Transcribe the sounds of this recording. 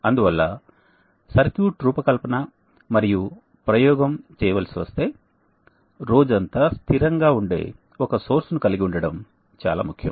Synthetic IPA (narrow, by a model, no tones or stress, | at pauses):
ɐnd̪uʋɐlːɐ | sɐɾkjuːʈɾuːpɐkɐlpɐnɐ | mɐɾiju | pɾɐjɔːɡɐmt͡ʃɛːjɐʋalsiʋɐst̪e̞ː | ɾo̞ːd͡ʒɐnt̪ast̪ʰiɾɐŋɡaːuɳɖe̞̰ː | ɔkɐso̞ːɾsnukɐliɡiuɳɖɐɽɐm | t͡ʃa̰ːla̰ːmukʰːjɐ̰m